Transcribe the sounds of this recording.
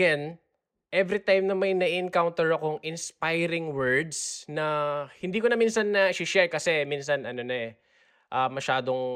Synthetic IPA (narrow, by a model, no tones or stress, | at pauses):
ɛn | ʔɛvɾit̪ajmnɐmɐjnɐʔiʔɪnkawnt̪ɛɹɐkoŋɪnspajɾɪŋwɛɹd̪snɐhɪnd̪iːkonɐminsɐnːɐʃɪʃɛɹkɐsɛmins̬ɐnʔɐno̞nɐɛ | ʔɐmɐʃaːd̪o̞ŋ